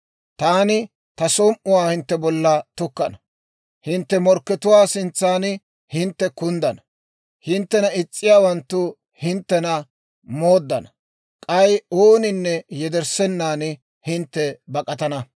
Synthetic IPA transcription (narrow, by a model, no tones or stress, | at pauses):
t̪aːnɪ | t̪ɐsɔmʔʊwaːhɪnt̪ːɛbɔlːɐt̪ʊkːɐnɐ | hɪnt̪ːɛmɔɾkːɛt̪ʊwaːsɪnt͡sːaːn | hɪnt̪ːɛkʊnd̪ɐnɐ | hɪnt̪ːɛnɐɪt͡sʼːɪjaːwɐnt̪ːʊ | hɪnt̪ːɛnɐ | mo̞ːd̪ːɐnɐ | kʼɐjoːnɪnːɛjɛd̪ɛɾsɛnːaːn | hɪnt̪ːɛbɐkʼɐt̪ɐnɐ